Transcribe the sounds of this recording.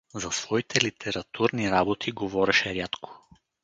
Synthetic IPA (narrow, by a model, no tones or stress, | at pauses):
zɐsv̥ɔit̪ʰɛlit̪ʰɛɾɐt̪ʰuɾniɾabot̪ʰiɡovɔɾɛʃɛɾjat̪kʰo̥